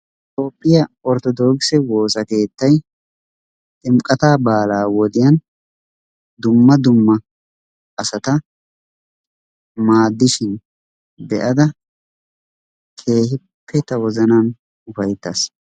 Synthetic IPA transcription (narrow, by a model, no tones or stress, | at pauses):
ɪt̪ʼo̞ːpʼːɪjɐɔɾt̪ɔd̪oːksɛwo̞ːsɐke̞ːt̪ːɐj | t̪ʼɪmkʼɐt̪aːbaːlaːwɔd̪ɪjɐn | d̪ʊmːɐd̪ʊmːɐ | ɐsɐt̪ɐ | maːd̪ːɪʃɪn | bɛʔɐd̪ɐ | kʰe̞ːhɪ | pːɛt̪ɐwɔzɐnan | ʊfɐjt̪ːɐs